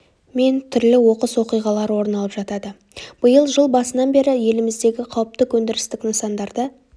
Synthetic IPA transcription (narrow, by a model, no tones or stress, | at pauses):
me̞nt̪ʰʏɾlɪwo̞qəswo̞qijʁɑlˠɑɾwo̞ɾənɑlˠəpʒɑt̪ɑd̪ə | b̥əjəlˠʒəlˠbɑsənɑnbe̞ɾɪje̞lɪmɪzd̪e̞ɡʲɪqʰɑwəp̚t̪əkʰɵnd̪ɪɾɪst̪ɪknəsɑnd̪ɑɾd̪ə